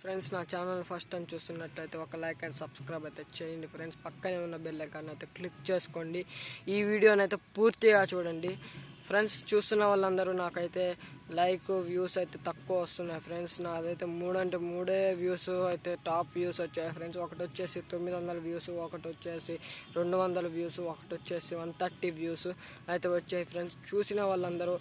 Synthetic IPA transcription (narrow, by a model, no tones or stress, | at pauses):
pʰɾeɳɖsnaːt͡ʃaːnɐlpʰɐsʈʈɐjmt͡ʃuːst̪unːɐʈlɐjt̪e̞ːɔkɐlɐjkɐɳɖsɐbskɾɐjbɐjt̪e̞ːt͡ʃejɐɳɖipʰɾeɳɖspɐkːɐne̞ːunːɐbelːɐɡaːnɐjt̪eːklikt͡ʃe̞ːsu̥ko̞ːɳɖiiːʋiːɽijo̞ːnɐjt̪e̞ːpuːɾt̪iɡaːt͡ʃuːɽɐɳɖi | pʰɾe̞ɳɖst͡ʃuːst̪unːɐʋaːlːɐnd̪ɐɾunaːkɐjt̪e̞ːlɐjkʋjuːsɐjt̪e̞ːt̪ɐkːuʋɐst̪unːaːjipʰɾeɳɖsnad̪ɐjt̪e̞ːmuːɽɐɳʈemuːɽeːʋjuːsuɐjt̪e̞ːʈaːpʋjuːsʋɐt͡ʃːaːjipʰɾeɳɖsɔkɐʈiʋɐt͡ʃːeːsit̪o̞mːid̪iʋɐnd̪ɐlɐʋjuːsɔkɐʈiʋɐt͡ʃːe̞ːsiɾe̞ɳɖuʋɐnd̪ɐlɐʋjuːsɔkɐ̥ʈʋɐt͡ʃːeːsiʋɐnt̪ɐʈʈːiʋjuːsu | ɐjt̪eːʋɐt͡ʃːaːipʰɾeɳɖst͡ʃuːsinɐʋaːɭːɐnd̪ɐɾu